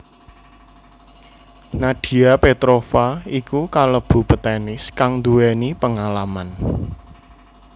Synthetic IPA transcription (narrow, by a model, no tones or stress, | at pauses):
naɖ̥i̤apet̪ɾofaikukaləb̥ṳpət̪ɛnɪskaŋd̪uwɛnipəŋalaman